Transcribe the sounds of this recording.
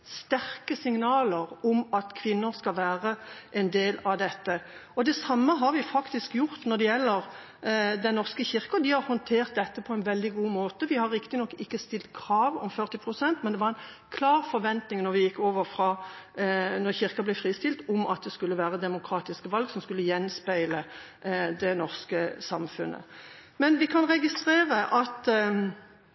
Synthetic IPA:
st̪æɾkəsɪŋnɑːləɾɔmɑt̪kʰʋɪnːəɾskɑlʋæːʁəʔɛnd̪eːlɑd̪ɛt̪ːəɔd̪ɛsɑmːəɦɑɾʋɪfɑkt̪ɪskjʊʁt̪nɔʁd̪ɛjɛlːəɾ | d̪ɛnnɔʁskəçɪɾkəd̪ɪhɑɾhɔnt̪ʰeːʁt̪̚d̪ɛt̪ːəpʰɔɛnʋɛld̪ɪɡuːmoːt̪əʋɪhɑɾːɪkt̪ɪnɔkːɪkːəst̪ɪlt̪̚kʰɾɑːʋɔ̰mfœʁt̪ɪpʰɾʊsɛnt̪mɛnd̪ɛʋɑɾɛn | kʰlɑːʁfɔɾʋɛnt̪nɪŋnɔʁʋɪjɪkːoːʋəɾfɾɑː | nɔʁçɪʁkɑblɛfʁiːst̪ɪlt̪ɔmɑ̰t̪̚d̪ɛskʉlːəʋæːʁəd̪ɛmʊkʰʁɑːt̪ɪskəʋɑlɡsɔmskʉlːəjɛnspæɪlə | d̪ɛnɔʁskəsɑmfʉnʔə̰ | mɛnʋɪkʰɑnʁɛɡɪst̪ʁeːʁəʔɑt̪

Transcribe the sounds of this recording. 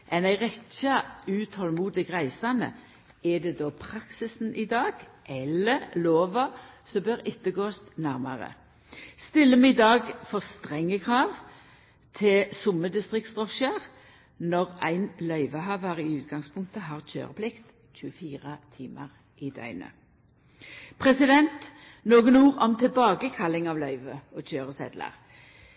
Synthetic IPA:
ʔɛnæɪʁɛtçɑʉːt̪hɔlmuːd̪ɪɡʁæɪsɑnə̰ | ɛd̪ɛːd̪oːpʰʁɑksɪsn̩ʔɪd̪ɑːɡ | ʔɛləʁloːʋɑsɔbøʁɪt̪ːəɡoːst̪næʁmɑʁə̰ | st̪ɪlːəmɛɪd̪ɑːɡfɔʁst̪ʁɛŋːəkʰʁɑːʋ | t̪ʰɪlsʊməd̪ɪst̪ʁɪkt̪sd̪ʁɔʃəʁ | nɔʁæɪnlœʏʋəɦɑːʋəʁɪʉːt̪ɡɑŋspʰʊŋk̚t̪əɦɑːʁc͡çʰø̰ːʁəpʰlɪkt̪ | c͡çʉəfiːʁət̪ʰiːmə̰ʁ | ʔɪd̪œ̰ʏnə̰ | pʰʁɛsɪd̪ɛnt̪ | noːɡənuːʁɔmt̪ʰɪlbɑːɡəkʰɑlːɪŋɑʋlœʏʋəɔc͡çøːʁəsɛ̰d̪lə̰ʁ

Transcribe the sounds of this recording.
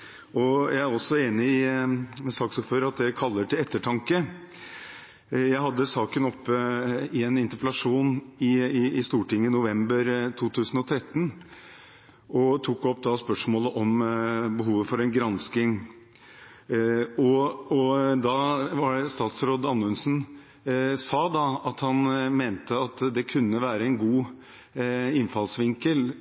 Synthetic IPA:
ɔjæɪæɾɔsːɔeːnɪɪmɛsɑːksɔføːɾəɑt̪̚d̪æɪkʰɑlːəʈɪlɛt̪ːəʈʰɑŋkə | jæɪɦɑd̪ːəsɑːkənɔpːəɪɛnɪnt̪əɾpəlɑʂuːnɪɪɪst̪uːʈɪŋːənʊʋɛmbəɾt̪ʰuːt̪ʰʉːsənɔt̪ʰɾɛt̪ːən | ʔɔt̪ʰuːkːɔpːd̪ɑspœʂmoːləʔɔmbəɦuːʋəfɔɾɛnɡɾɑnskɪŋ | ɔɔd̪ɑʋɑɾst̪ɑːt̪sɾoːd̪ɑnːəʉnsn̩ | sɑːd̪ɑɑt̪hɑnmeːnt̪əɑt̪d̪ɛkʰʉnːəʋæːɾəɛnɡuː | ɪnːfɑlsʋɪŋkəl

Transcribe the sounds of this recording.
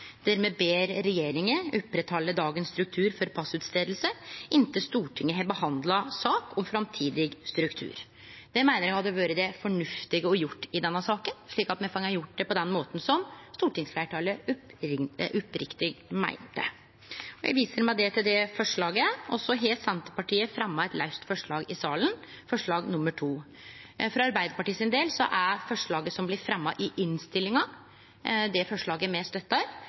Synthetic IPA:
d̪̥æɾmeːbeːɾːɛjeːɾɪŋəʉpːɾət̪ʰhɑlːəd̪ɑːɡənst̪ɾʉk̚t̪ʰʉːɾfɔɾpʰɑsʉːt̪st̪eːd̪l̩səɪnt̪əst̪uːʈʰɪŋːəɦɛbəhɑnd̪lɑsɑːkʰɔmfɾɑmt̪ʰiːd̪ɪɡst̪ɾʉkt̪ʰʉ̰ːɾ | d̪̥ɛmæɪnəɾjæhɑd̪ːəɔʋɑːɾəd̪ɛfɔɳʉft̪ɪɡəɔjʊʈːɪd̪ɛnːɑsɑːkənʂɭiːkɑt̪mɛfɑŋɑɾjʊʈ̚ːd̪ɛpɔd̪ɛnmoːt̪n̩sɔmst̪uːʈɪŋsflæʈɑːləʉ | ʔʉpɾɪkt̪ɪɡmæ̰ɪnt̪ə̰ | ɔjæ̰ʋiːsəɾmæɪd̪ɛt̪ʰɪld̪ɛfɔʂɭɑːɡəʔɔsːɔɦeːlt̪sɛnt̪əpɑʈiːəfɾɛmːɑɛt̪læɪst̪fɔʂɭɑːɡɪsɑːlən | fɔʂɭɑːɡnʊmːəʈʰuː | fɾɑɑɾbæɪd̪əɾpɑʈiːsɪnd̪eːlsɔ̰ʔæɾfɔʂɭɑːɡəsɔmblɪɾfɾɛmːɑʔɪʔɪnst̪ɪlːɪŋɑ | d̪ɛfɔʂɭɑːɡəmɛst̪œt̪ːɑɾ

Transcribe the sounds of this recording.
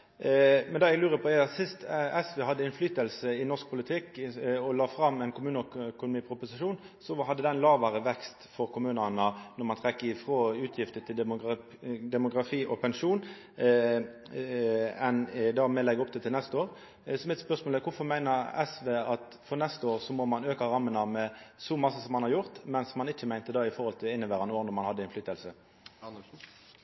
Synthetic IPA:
mɛnd̪ɑːɛɡlʉːɾəpʰɔɛsɪst̪ɛsʋeːhɑd̪ːəɪnflyːt̪əlsəɪnɔʁsk̚pʰʊlɪt̪ʰɪkːɔlɑːfɾɑmːɛɪnkʊmʉːnəœkʊnʊmiːpʰɾʊpʊsɪʂuːn | sɔɦɑd̪ːəd̪ɛnlɑːʋɑʁəʋɛkst̪fɔɾkʰʊmʉːnənənɔʁmɑnt̪ʰʁɛkːəɪfʁoːʉːt̪ʰjɪft̪ət̪ʰɪl | d̪ɛmʊɡʁɑfiːʔɔpʰɛnʂuːn | ɛnd̪ɑːmɛlɛɡɔp̚d̪ɛt̪ʰɪlnɛst̪oːɾ | sɔmɛt̪spœʁsmoːləkʰʊfɔʁmæɪnəɾɛ̰sʋeːɑt̪ | fɔʁnɛst̪əoːʁsɔmɔmɑnøːkɑɾɑmːənəmɛsɔmɑsːəsɔmːɑnhɑɾjʊʁt̪mɛnsmɑnɪc͡çːəmæɪnt̪əd̪ɑːɪfɔʁhɔlt̪ʰɪlɪnːəbæːʁɑnoːnɔʁmɑnhɑd̪əɛnflyːt̪ːəlsə

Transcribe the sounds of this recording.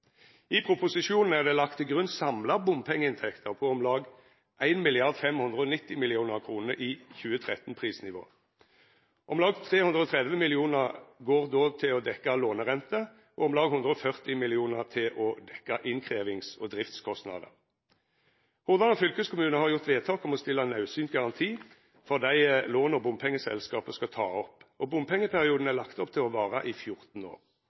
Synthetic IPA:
ɪpʰʁʊpʊsɪʃuːnn̩æʁd̪ɛːlɑkt̪ɪɡʁʉnsɑmlɑbʊmpʰɛŋːəɪnt̪ʰɛkt̪ʰəʁpʰɔɔmlɑːɡ | ʔæɪnmɪlɪɑʁd̪fɛmhʉnd̪ʁəɔnɪt̪ːɪmɪlɪuːnəʁkʰʁuːnəʔiːçʉːət̪ʰʁɛt̪n̩pʰʁiːsnɪʋo̰ː | ʔɔmlɑːɡt̪ʰʁeːhʉnd̪ʁəɔːt̪ʰʁɛd̪ʋəmɪlɪuːnəʁɡoːʁd̪oːt̪ʰɪlɔd̪ɛkːɑloːnəʁɛnt̪ə | ʔɔɔmlɑːɡhʉnd̪ʁəɔfœʁt̪ɪmɪlɪuːnəʁt̪ʰɪlʔɔd̪ɛkːɑʔɪnkʰʁeːʋɪŋsɔd̪ʁɪft̪skʰɔst̪nɑ̰d̪ə̰ | hʊʁd̪ɑnɔfʏlkəskʰʊmʉːnəhɑʁjʊʁt̪ʋeːt̪ʰɑːkɔmɔst̪ɪlːɑnɑʉsyːnt̪ɡɑʁɑnt̪ʰiː | fɔʁd̪æɪloːnɔbʊmpʰɛŋːəsɛ̰lskɑːpəskɑt̪ʰɑ̰ːɔpːɔbʊmpʰɛŋːəpʰæʁɪuːd̪n̩ælɑkt̪ɔpt̪ʰɪlɔʋɑːʁəʔɪfjʊʁt̪n̩o̰ːʁ

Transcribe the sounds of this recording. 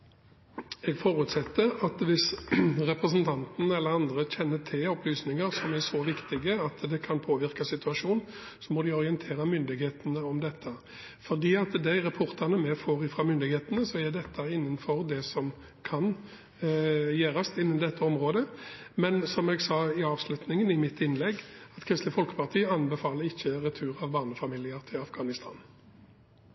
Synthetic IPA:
ɛɡfoːɾʉːt̪sɛt̪ːəɾɑt̪ʋɪsɾɛpɾɛsnt̪ʰɑnt̪nɛlːəʁɑnd̪ɾəçɛnːət̪ʰɪlɔplyːsnɪŋəɾsɔmæsɔʋɪkt̪ɪɡəɑt̪d̪ɛkʰɑnpʰoːʋɪʁkɑsɪt̪ʉɑʂuːn | sɔmɔd̪ɪɔʁɪɛnt̪ʰeːɾəmʏnd̪ɪɡheːt̪ənəɔmd̪ɛt̪ʰːə | fɔʁd̪iːɑt̪d̪ɛɪɾɑpʰʊʁt̪ɑʁnəmɛfoːʁɪfɾɑːmʏnd̪ɪɡheːt̪nəsɔɛd̪ɛt̪ʰːɑɪnːənfɔʁd̪ɛsɔm | kʰɑn | jæːɾɑst̪ɪnːənd̪ɛt̪ːəɔmʁoːd̪ə | mɛnsɔmɛɡsɑːɪɑːʋslʉt̪nɪŋənɪmɪt̪ːɪnlɛɡɑt̪kʰʁɪst̪əfɔlkə̥pɑʁt̪ʰiːəɑnbɛfɑːləɾɪçːəʁɛt̪ʰʉːʁɑʋbɑːnəfɑmiːlɪəʁt̪ʰɪlɑfɡ̥ɑːnɪst̪ʰɑ̰ːn

